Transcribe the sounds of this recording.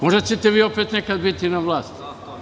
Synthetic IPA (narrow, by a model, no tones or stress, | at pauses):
moʒd̪at͡ɕet̪eʋiːopet̪nekad̪bit̪inaʋlˠaːst̪